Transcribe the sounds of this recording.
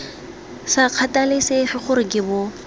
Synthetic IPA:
saq͡χʰatʼalɪsefɪχʊɾɪkʼɪbʊ

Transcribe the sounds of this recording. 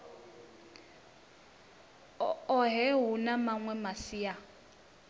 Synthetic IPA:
ɔɦɛɦunamaŋwɛmasia

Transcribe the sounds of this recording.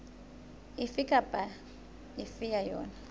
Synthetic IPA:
ifikʼab̥ʱa | ifijajɔ̰ːna

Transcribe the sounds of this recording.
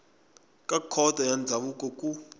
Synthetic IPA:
kʼakʰɔtajand͡zʱaɓukʼɔkʼu

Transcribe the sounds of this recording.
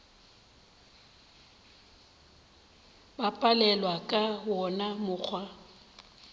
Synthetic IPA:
bapʼalɛlwakʼawɔnamʊk͡xʰwa

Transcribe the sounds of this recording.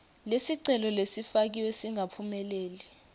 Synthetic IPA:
lesiǀɛlɔlesifak̬iwesiŋʱapʰumɛleːli

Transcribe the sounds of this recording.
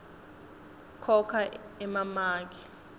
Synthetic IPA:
kʰɔkʰaɛmamaːk̬ʰʼɛ

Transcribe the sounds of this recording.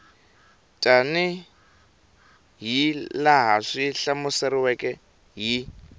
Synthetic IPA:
tʼanɪ | ɦilaɦaʂiɬamʊsɛɾɪwɛkʼɛ | ɦi

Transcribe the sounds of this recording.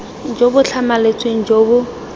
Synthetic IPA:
d͡ʒobʊt͡ɬʰamalet͡sʼweŋ̩d͡ʒobʊ

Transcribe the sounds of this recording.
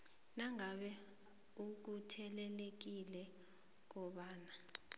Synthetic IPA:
naŋaɓɛ | uk̬utʰɛlɛlek̬ilɛ | k̬ɔɓaːna

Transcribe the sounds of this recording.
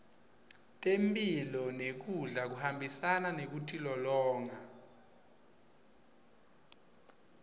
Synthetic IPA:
tʼempʼilɔnek̬uɮak̬uhambʱisananek̬utʰʼilɔlɔːŋa

